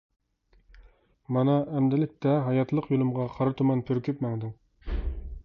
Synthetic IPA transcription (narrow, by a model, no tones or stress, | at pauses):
mɑnɑʔæmd̪ɪlɪk̚ʲt̪ɛɦɑjɑt̪lˠəqjolˠɨmʁɑqʰɑɾɑt̪ʰumɑnpʰyɾkʲypmæŋd̪ɪŋ